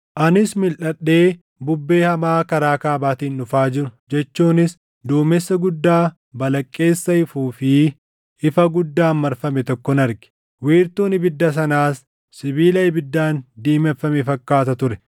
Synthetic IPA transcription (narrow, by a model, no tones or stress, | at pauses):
ʔɐnɪsmɪlʔɐɗːe̞ː | bʊbːeːhɐmaːkɐɾaːkaːbaːt̪iːnːʊfaːd͡ʒɪɾʊd͡ʒɛt͡ʃːuːnɪs | d̪uːmɛsːɐɡʊd̪ːaː | bɐlɐkʼːe̞ːsːɐɪfuːfɪ | ɪfɐɡʊd̪ːaːmːɐɾfɐmɛt̪ɔkːɔnɐɾɡɪ̥ | wiːɾt̪uːnɪbɪd̪ːɐs̬ɐnaːs | sɪbiːlɐɪbɪd̪ːaːnd̪iːmɛfːɐmɛfɐkːaːt̪ɐt̪ʊɾɛ̥